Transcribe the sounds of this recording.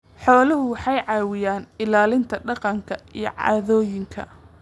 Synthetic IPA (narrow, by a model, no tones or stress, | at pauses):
ħɔːlɐɦʊwɑħɑjʕɑːwɪjaːnɪlaːlɪnt̪ʰɐɖɑqɑŋkʰɐijɞ̰ʕɑ̰ːðɔːjɪŋkʰɐ̰